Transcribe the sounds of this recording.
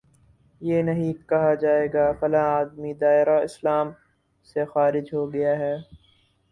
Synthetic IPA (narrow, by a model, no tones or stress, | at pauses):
jeːnɐɦĩkɐɦad͡ʒaːeːɡaːfɐlãaːd̪mid̪aːɪɾaɪslaːm | sexaːɾɪd͡ʒɦoɡɐjaɦɛː